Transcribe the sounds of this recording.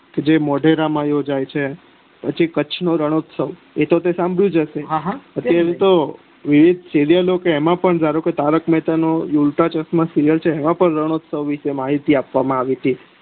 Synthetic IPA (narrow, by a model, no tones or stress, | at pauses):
ked͡ʒemɔɖʱeɾamãjod͡ʒajt͡ʃʰe | pət͡ʃʰikət͡ʃʰnoɾəɽ̃ot̪səʋ | et̪ot̪esãmbʱɭjũd͡ʒəʃeɦɦət̪jaɾet̪o | ʋiʋid̪ʱsiɾijəlokeːmãpəɳd͡ʒaɾoket̪aɾəkmɛt̪anojulʈat͡ʃəsmãsiɾijəlt͡ʃʰeːmãpəɳɾəɽ̃ot̪səʋʋiʃemaɦit̪iapʋamãaʋit̪ʰi